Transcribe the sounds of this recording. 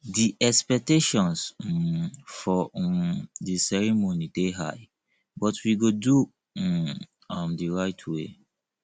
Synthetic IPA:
diʔɛkspɛk̚teʃɔ̃ns̩ | fɔ | disɛɹimoniteɦa̰ɪ | bɔtwiɡodu | amdiɹaɪtʰwe

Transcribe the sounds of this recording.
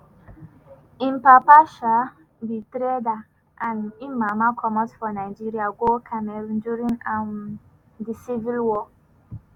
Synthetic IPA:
ĩmpapaʃa | bitɾeda | ãnĩnmamakʰɔmɔtfɔnaɪd͡ʒiɾiaɡokʰamɛ̃d͡ʒuɹĩnãn | disivilwɔ

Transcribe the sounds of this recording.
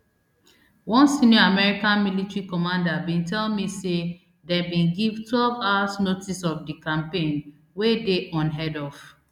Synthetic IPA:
wɔ̃nsĩniɔamɛɹikãnmilitɹikɔmãndabĩntɛlmise | dɛ̃bĩnɡivtwɛlvasnotisɔfdikãmpẽn | wedeʔɔ̃nɦɛdɔv

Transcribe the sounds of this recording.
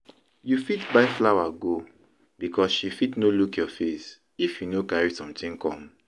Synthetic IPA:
jufitbaɪflawaɡo | bikʰɔsʃifitnolukjɔfes | ifjunokaɹisɔ̃mtĩŋkɔ̰̃m

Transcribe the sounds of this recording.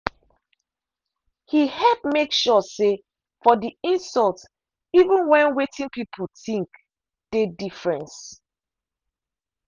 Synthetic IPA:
hihɛpmekʃɔse | fɔdiĩnsɔlt | ivə̃nwɛ̃nwetʰĩŋpipʰulθĩŋk | d̥edifɹɛ̃ns

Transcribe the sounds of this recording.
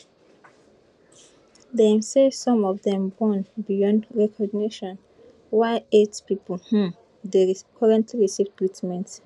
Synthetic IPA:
ðemsesɔ̃mɔvðɛ̃mbɔ̃nbijɔ̃ndɹɛkʰɔɡniʃɔ̃n | waɪetpipəl̩hũ | deɹikʰɔɹɛ̃ntliɹisivtɹitʰmɛ̃nt

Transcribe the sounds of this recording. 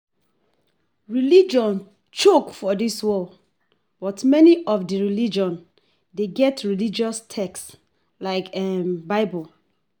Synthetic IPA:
ɹilid͡ʒɔ̃n | t͡ʃokfɔdiswɔl | b̥ɔtmɛniʔɔfdəɹilid͡ʒɔ̃n | deɡɛtɹilid͡ʒɔstʰɛks | laɪkɛnbaɪbɔl

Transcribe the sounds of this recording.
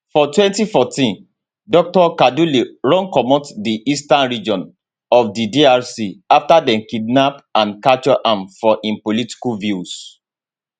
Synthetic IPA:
fɔtwɛ̃ntifɔtĩn | dɔk̚tɔkaduliɹɔ̃nkɔmɔ̃tdiʔistãnɹid͡ʒɔ̃n | ɔfdidiaɹsiaftadɛ̃nkidnapãnkat͡ʃɔʔãmfɔʔĩnpoliti̥kulvjus

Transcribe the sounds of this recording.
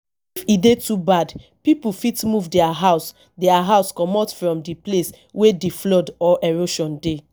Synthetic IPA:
fidetubad | pipufitmuvdɛaɦaʊs | dɛaɦaʊskɔmɔtfɹɔ̃mdiples | wedeflɔdɔʔɛɹoʃɔ̃nde

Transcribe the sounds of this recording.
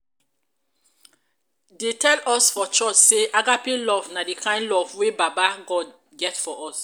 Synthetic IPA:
detɛlɔsfɔt͡ʃɔt͡ʃseʔaɡapĩlɔvnadikʰãɪ̃nlɔvwebabaɡɔd | ɡɛtfɔʔɔs

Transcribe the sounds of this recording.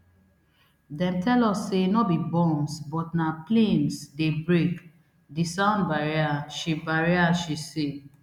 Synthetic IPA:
dɛ̃mtɛlɔsːenɔbibɔ̃msbɔtnaplẽnsdebɹek | disãʊ̃ndbaɹiaʃibaɹiaʃise

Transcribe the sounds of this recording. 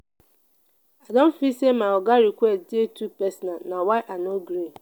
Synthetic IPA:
adɔ̃m̩fisemaɔɡaɾikʷɛtdɪetupɛsnanawaɪʔanoɡɾi

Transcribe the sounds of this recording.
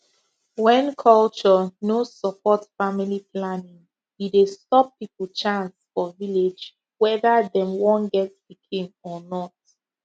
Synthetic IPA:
wɛ̃nkʰɔlt͡ʃɔnosɔpʰɔtfamiliplanĩŋ | didestɔpːipl̩ˠt͡ʃãnsfɔviled͡ʒ | wɛðəðɛ̃mwɔ̃nɡɛtspikʰĩnɔnɔt̚

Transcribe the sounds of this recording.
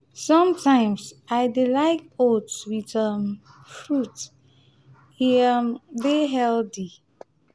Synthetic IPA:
sʌ̃mtʰãɪ̃msaɪdelaɪk̚otswitʌm | fɹut | iambeɦɛldi

